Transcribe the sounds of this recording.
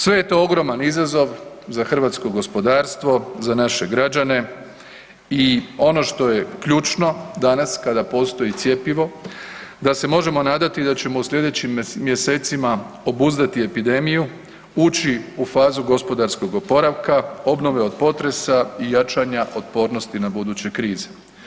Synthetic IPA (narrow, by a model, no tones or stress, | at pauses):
sʋe̞je̞t̪o̞oɡɾo̞manizazo̞ʋ | zaxr̩ʋaːt̪sko̞ɡo̞spo̞d̪aːɾst̪ʋo̞zanaʃe̞ɡɾad͡ʒane̞ | io̞no̞ʃt̪o̞je̞kʎuːt͡ʃno̞d̪anaskad̪apo̞ːst̪o̞jit̪sje̞piʋo̞ | d̪ase̞mo̞ʒe̞mo̞naːd̪at̪id̪at͡ɕe̞mo̞usʎʲe̞d̪e̞t͡ɕimːje̞se̞ːt̪sima | o̞buzd̪at̪ie̞pid̪e̞miju | uːt͡ɕiufaːzuɡo̞spo̞d̪aɾsko̞ɡo̞po̞ɾaʋkao̞bno̞ʋe̞o̞d̪po̞t̪ɾe̞saijat͡ʃaɲaʔo̞t̪po̞ːɾno̞st̪inabud̪uːt͡ɕe̞kɾiːze